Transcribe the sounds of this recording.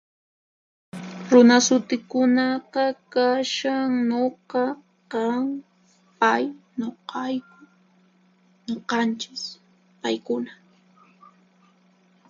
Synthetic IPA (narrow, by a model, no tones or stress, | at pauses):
ɾʊnasʊt̪ɪkʊnɑqɑkaʃaŋnoqɑ | qɑŋ | pajɲoqɑjkʊ | ɲoqɑnt͡ʃɪs | pajkʊna